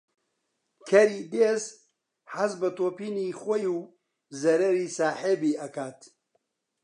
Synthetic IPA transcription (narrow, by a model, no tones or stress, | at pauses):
kʰɐɾiːd̪eːz | ħazbɐt̪oːpiːnixojuː | zɐɾɐɾiːsaːħebiːʔɐkaːt̪